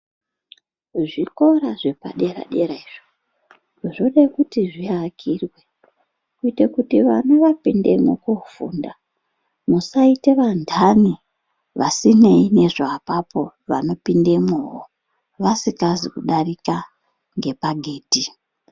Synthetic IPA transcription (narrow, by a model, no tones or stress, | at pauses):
ʐiko̞ɾaʐe̞pa̰ɗe̞ɾa̰ɗe̞ɾaiʐo | ʐo̞ɗakutiʐiakʰirwe̞ | kuitekutiʋa̰noʋapindḛmo̰kofṵnda | musaite̞ʋandʱani | ʋasine̞ine̞ʐaːpapo̞ʋano̞pinde̞mowo | ʋasikazikuɗarika | ŋɡe̞paɡʱe̞ːti